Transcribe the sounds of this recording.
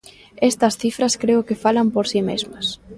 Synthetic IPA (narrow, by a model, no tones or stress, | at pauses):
est̪ɐsθifɾɐskɾeʊkɪfalɐmpoɾsimezmɐs